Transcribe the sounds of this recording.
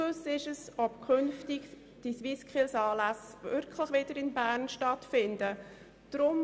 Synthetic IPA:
ʊsɪʃəsɔp̚kʰʏnftɪɡ | d̥isʋiskχɪlsɑːlæsvɪɾkʰləχʋɪdəɾɪnbæːɾnʃtɑtfɪndə | d̥ɾʊm

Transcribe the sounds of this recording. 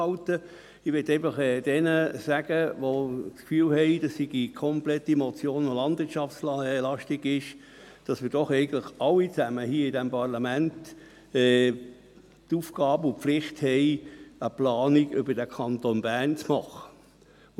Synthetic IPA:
ɑltə | ɪʋɪtːɛɪfɑχɛːd̥ɛnəsæɡ̥əʋot͡skfyːlhɛɪdɑsːiɡ̥ikʰɔmplɛtimɔt͡sjoːnolɑnd̥vɪɾt͡ʃɑfsllɑʃtɪɡɪʃ | d̥ɑsmɪːd̥ɔχɛɪɡən̩tləχɑlːit͡sæməhiːɪdɛmpʰɑʁlɑmænt | ɛː | tufɡ̥ɑːbʊflɪχthɛɪəplɑːniɡʏbəd̥ɛkʰɑntonbæːʁnt͡smɑχə̥

